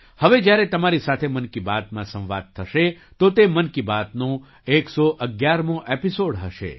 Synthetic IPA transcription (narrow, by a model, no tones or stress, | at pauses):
həʋed͡ʒjaɾet̪əmaɾisat̪ʰemənkibat̪mãsə̃w̃ʋa̰d̪̚t̪ʰəʃe | t̪ot̪emənkibat̪nõ | eksoʔəɡjaɾmõʔepisoɽɦəʃḛ